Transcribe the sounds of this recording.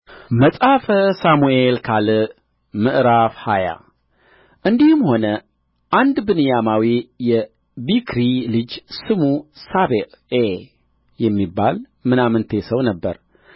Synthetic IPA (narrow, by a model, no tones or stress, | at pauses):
məsʼafəsamuelkʰalɨ | mɨʔɾafhaja̰ | ʔɨnd̪ihɨmho̞nə | ʔand̪bɨnɨjamawijɛ | bikʰɾilɨd͡ʒsɨmusaβeʔe | jɛmːibːal | mɨnamɨnt̪ʰesəwnəbːə̰ɾ